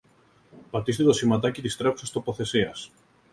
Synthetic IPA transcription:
pat̪ist̪iðosimat̪̬akiðist̪ɾeosast̪opoθesias

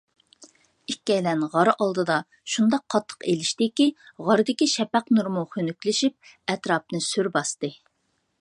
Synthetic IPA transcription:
ikʲːɛjlɛnʁɑɾʔɑlˠd̪ɨd̪ɑ | ʃund̪ɑqʰːɑt̪ʰːə̥qelɪʃt̪ɪkʲiʁɑɾɨd̪ɪkʲiʃɛpɛqnuɾmuχønykʲlɪʃip̚ | ɛt̪ɾɑp̚nɨsyɾbɑst̪ɨ

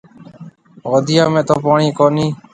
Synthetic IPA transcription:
ɣoːd̪ɪjaːmẽːt̪oːpaːɳiːkoːniː

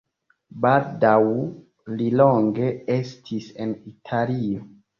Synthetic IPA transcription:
baldaw | liloŋɡe̞e̞stʰise̞nitʰalio

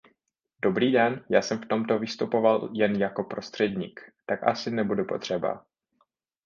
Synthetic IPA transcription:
do̞bɾiːdɛnjaːsɛmft̪o̞mt̪o̞vɪst̪upo̞valjɛnjako̞pɾo̞st̪r̥ɛdɲiːkt̪akʔa̰sɪnɛbudupo̞t̪r̝̥ɛba̰

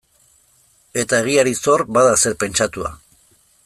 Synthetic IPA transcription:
e̞t̪aeɣ̞iaɾiso̞ɾbaðase̞ɾpe̞nt͡ʃat̪ua̰

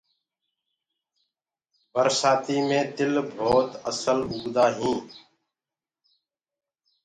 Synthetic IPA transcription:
bəɾsaːt̪iːmẽːd̪ɪlbʱoːt̪əsəlʊɡd̪aːɦĩː

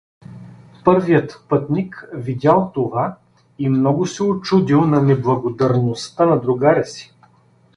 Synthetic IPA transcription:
pɤɾvijət̪pɤt̪nikvid̪ʲalˠt̪ova | imnɔɡʊsɛot͡ʃud̪ilˠnɐnɛblˠɐɡod̪ɐɾnost̪anɐd̪ɾuɡaɾʲɛsi̥

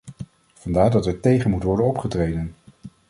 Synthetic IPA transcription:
v̥ɑndaːɹdɑtɛɹtejχənmutəʋɔɹdənɔpχətrejdən

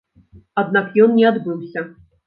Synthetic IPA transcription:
ad̪̚nakjɔnnʲɛad̪bɨwsʲɐ

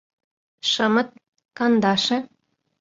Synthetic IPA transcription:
ʃɤ̆mɤ̆t̪̚ | kɑnd̪ɑʃɤ̆

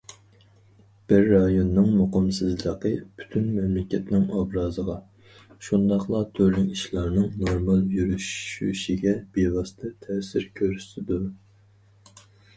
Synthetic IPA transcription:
b̥ɪɾːɑjonːɨŋmoqəmsɨzlˠəqəpʰy̥t̪ʰynmɛmlɪkʲɛt̪nɪŋɑbɾɑːzəʁɑ | ʃund̪ɑχlˠɑt̪ʰølyŋiʃlˠɑɾnɨŋnoɾmɑlˠjyɾyʃy̰ʃiɡʲɛb̥ewɑst̪ʰɛt̪ʰɛsɪɾkʲʰøɾysɪd̪u

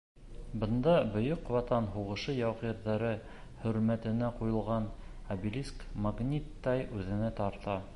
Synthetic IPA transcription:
bɤ̆nd̪ɑbɵ̆jɵqwɑt̪ɑnɦuʁɤ̆ʃɤjɑwʁiɾðɑɾɤ | hɵ̆ɾmæt̪ɘ̆næqujɤ̆lˠʁɑnɐbilʲiskmaɡnʲit̪ːɑjʉðɘ̆næt̪ɑɾt̪ɑ

